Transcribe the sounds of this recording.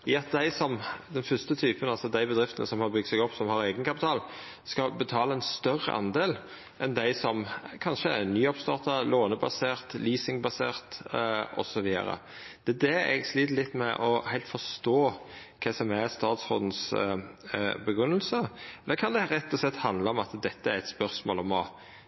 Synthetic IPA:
jːɑt̪̚d̪æɪsɔmd̪ɛnfœst̪ət̪ʰyːpənɑlsɔd̪æɪbəd̪ɾɪft̪ənə̰sɔmhɑɾbʏɡ̚t̪sɛɡɔpːsɔmhɑɾeːɡənkɑpɪt̪ʰɑːl | skɑbət̪ʰɑːlɑɛnst̪œɾə̰ʔɑ̰nd̪eːl | ʔɛnd̪æɪsɔmkʰɑnʃəæɾnyːɑpst̪ɑːʁt̪ɑloːnəbɑseːʁt̪liːsɪŋbɑsḛːʁt̪ɔ̰sɔʋiːə̰ɾə̰ | d̪̥ɛːd̪ɛɛ̰ɡsliːd̪lɪt̪ːmɛʔɔhæɪlt̪fɔʁst̪oː | kʰɛsɔmæɾst̪ɑːt̪shɔ̰ːd̪n̩s | bəɡɾʁʉnːəlsəɛlːəkʰɑnd̪ɛɾɛt̪ːɔslɛt̪ːhɑnd̪ləɔmɑt̪d̪ɛt̪ːəæɾɛt̪spœɾsmo̰ːlɔmɔ

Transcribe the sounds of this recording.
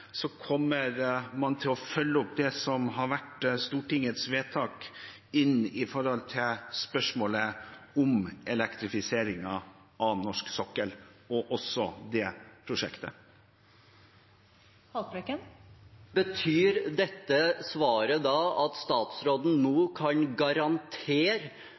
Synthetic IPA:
sɔkʰɔmːəɾmɑnt̪ʰɪlɔfœlːəɔpd̪ɛsɔmɦɑɾʋæʈst̪uːʈɪŋət̪sʋeːt̪ʰɑːk | ɪnːɪfɔɾɔlt̪ʰɪlspœʂmoːləʊmɛlɛkt̪ɾɪfɪseːɾɪŋɑ | ʔɑnɔʂksɔkːəlɔʔɔsːɔd̪ɛːpʰɾʊʂɛkt̪ə | hɑpɾɛkənbət̪ʰyːɾd̪ɛt̪ːəsʋɑːɾəd̪ɑːʔɑt̪st̪ɑːt̪sɾoːd̪n̩noːkʰɑnɡɑɾɑnt̪ʰeːɾ

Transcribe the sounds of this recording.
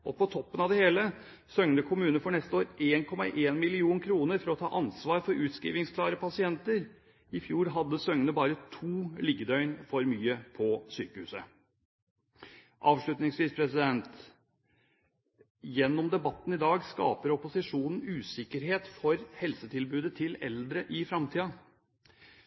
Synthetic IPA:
ʔɔpʰɔt̪ʰɔpːənɑʋd̪ɛheːlə | sœŋnəkʰʊmʉːnəfɔɳɛst̪əoːɾeːnkʰɔmɑ̰ʔeːnmɪlɪuːnkʰɾuːnəɾfɔɾɔt̪ʰɑ̰ːʔɑnsʋɑːɾfɔɾʉːt̪skḭːʋɪŋskʰlɑːɾəpʰɑsɪɛnt̪əɾ | ɪfjuːɾɦɑd̪ːəsœŋnəbɑːɾət̪ʰuːliɡəd̪œʏnfɔɾmyːəpʰɔsyːkəhʉːsə | ʔɑːʋʂɭʉt̪nɪŋsʋiːspʰɾɛsɪd̪ɛnt̪ | jɛnːɔmd̪ɛbɑt̪ːn̩ɪd̪ɑːɡskɑ̰ːpəɾɔpʊsɪʂuːnn̩ʉːsɪkːəɾɦeːt̪fɔɾhɛlsət̪ʰɪlbʉːd̪ət̪ʰɪlɛ̰ld̪ɾəʔɪfɾɑmt̪ʰiːɑ

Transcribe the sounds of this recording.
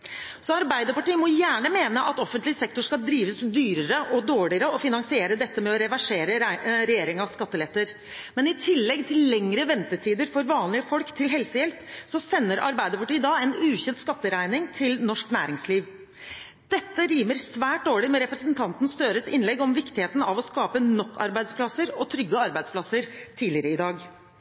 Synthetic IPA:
sɔɑɾbæɪd̪əpɑʈiːmɔjæːɳəmeːnəʔɑt̪ɔfənt̪lɪsɛkt̪ʊʂkɑld̪ɾiːʋəsd̪yːɾəɾəʔɔd̪oːɭɪəɾəɔfɪnɑŋsɪeːɾəd̪ɛt̪ːəmɛɔɾɛʋæʂeːɾəɾɛjeːɾɪŋɑʋskɑt̪ːəlɛt̪ːəɾ | mɛnɪt̪ʰɪlːɛɡt̪ʰɪllːɛŋɾəʋɛnt̪əʈʰiːd̪əɾfɔɾʋɑːnlɪəfɔlkt̪ʰɪlɦɛlsəjɛlpsɔsɛnːəɾʔɑ̰ɾbæɪd̪əɔʈːəɪd̪ɑːɛnʉːçɛnt̪skɑt̪ːəɾæɪnɪŋt̪ʰɪlnɔʂknæ̰ːɾɪŋsliːʋ | d̪̥ɛt̪ːəɾiːməɾsʋæːʈ̚d̪oːɭɪmɛɾɛpɾəsənt̪ʰɑnt̪n̩st̪øːɾəsɪnlɛɡɔmʋɪkt̪ɪheːt̪n̩ɑʋɔskɑːpənɔkʰːɑ̰ɾbæɪd̪spʰlɑsəɾɔt̪ʰɾʏɡːəɑɾbæɪd̪spʰlɑsəɾt̪ʰiːlɪɾəɪd̪ɑːɡ

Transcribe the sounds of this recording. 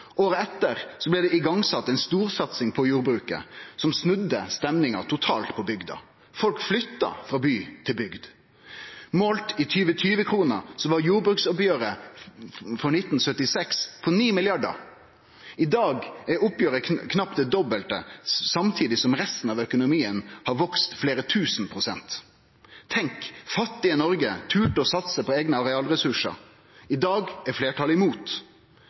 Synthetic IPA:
ʔoːɾəɛt̪ːəɾsɔblɛd̪ɛɪɡɑŋsɑt̪ːɛɪnst̪uːʁsɑt̪sɪŋpʰɔjuːʁbɾʉːkə̰sɔmsnʉd̪ːəst̪ɛmnɪŋɑ̰t̪ʰʊt̪ʰɑ̰ːlt̪pʰɔbʏɡd̪ɑ̰ | fɔlkflʏt̪ːɑ̰fʁɑːbyːt̪ʰɪlbʏɡd̪ | moːlt̪ɪt̪ʰyːʋət̪ʰyːʋəkʰʁuːnəɾsɔʋɑʁjuːɾbɾʉːksɔpjøːʁə | fɔnɪt̪ːnsœt̪ːɪsɛkspʰɔniːmɪljɑɖə̰ɾ | ɪd̪ɑːɡɛɾʊpjøːɾəkʰnɑpd̪ɛd̪ɔbəlt̪ə̰sɑmt̪ʰiːd̪ɪsɔmɾɛst̪n̩ɑʋœkʊnʊmiːənhɑɾʋɔkst̪fleːɾət̪ʰʉːsnpʰʁʊsɛ̰nt̪ʰː | ɛŋkfɑt̪ːɪənɔɾɡət̪ʰʉːʈɔsɑt̪səpʰɔeːɡnəɑʁɛɑːlɾɛsʉʂə̰ɾ | ɪd̪ɑːɡɛfleːʈʰɑlɪmuːt̪

